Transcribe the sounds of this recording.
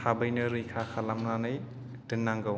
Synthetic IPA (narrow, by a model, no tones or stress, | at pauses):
hʰabɯjnɯɾɯjkʰakʰalamnanɯj | d̥ɯnːaŋɡɯw